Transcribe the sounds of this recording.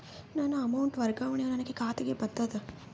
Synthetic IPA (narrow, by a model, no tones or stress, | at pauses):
naːnuɐmɐwɳʈʋɐɾɡaːʋɐɳeɐnɐnɐɡekaːt̪eɡebɐnt̪ɐd̪ɐ